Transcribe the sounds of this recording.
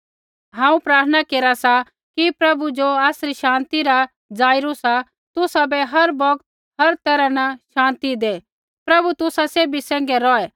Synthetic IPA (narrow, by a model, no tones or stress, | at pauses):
ɦãːũpɾaːɾt̪ʰənakeːɾasa | kipɾɐbud͡ʒoaːsɾiʃãːnt̪iɾa | d͡zaːɪɾusa | t̪ʊsabɛɦɐɾbɔkt̪ | ɦɐɾt̪ɛɾãnaʃãːnt̪id̪eː | pɾɐbut̪ʊsaseːbisɛ̃ːŋɡɛɾɔɛ